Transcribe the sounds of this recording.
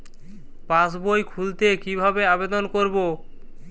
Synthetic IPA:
pãsbojkʰult̪ekibʱabeabed̪onkoɾbo

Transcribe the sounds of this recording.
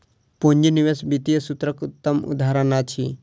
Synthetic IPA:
poɲd͡ʒiniʋesbit̪ijɐsut̪ɾɐkut̪ːɐmṵd̪ʱaɾɐnat͡ʃʰi

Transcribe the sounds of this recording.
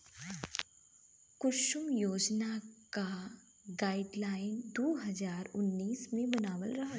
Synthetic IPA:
kʊʃʊmjoːd͡ʒnaka | ɡaːɪɖlaːɪnd̪oːɦɐzaːɾʊnːiːsmẽbɐnaːʋə̰lɾɐɦa

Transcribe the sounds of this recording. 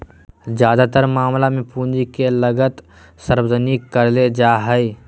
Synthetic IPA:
d͡ʒjaːd̪at̪əɾmaːmlamẽpũːnd͡ʒikeləɡət̪ | səɾwzənikəɾled͡ʒaɦəi

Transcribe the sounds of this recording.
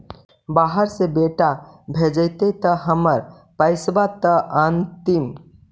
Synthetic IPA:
baɦəɾsebeʈa | bʱed͡ʒəɪt̪et̪əɦəməɾ | pəɪsbat̪əʔənt̪im

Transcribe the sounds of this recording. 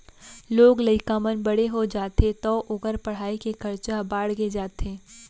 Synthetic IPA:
loːɡlɐɪkaːmənbɐɽeɦod͡ʒaːt̪et̪ɔːʔʊɡəɾpɐɽ̤aːikekɐɾt͡ʃabaːɽɡed͡ʒaːt̪eː

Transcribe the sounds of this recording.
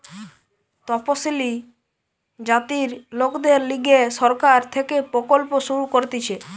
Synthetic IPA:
t̪ɔposili | d͡ʑat̪iɾlokd̪eɾliɡeʃɔɾkaɾt̪ʰekepɾokolpoʃuɾukoɾt̪it͡ɕʰe

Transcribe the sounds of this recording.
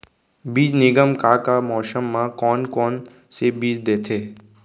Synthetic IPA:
biːd͡ʒnɪɡəmkakamɔːsəmːãkɔːnkɔːn | sebiːd͡ʒd̪eːt̪ʰeː

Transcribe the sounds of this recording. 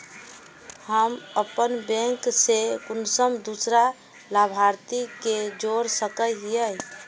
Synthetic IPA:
həməpənbɛ̃ŋksekʊnsəmd̪usɾa | labʱaɾt̪iked͡ʒoɾsəkəɦjə

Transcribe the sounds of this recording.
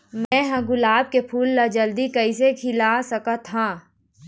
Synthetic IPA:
mɛ̃ːɦɐ̃ɡʊlaːb̚kepʰuːlːad͡ʒɐld̪ikɐisekʰɪlasɐkat̪ʰɦãː

